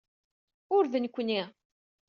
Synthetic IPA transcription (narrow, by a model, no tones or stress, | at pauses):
ʊɾðənkʷːni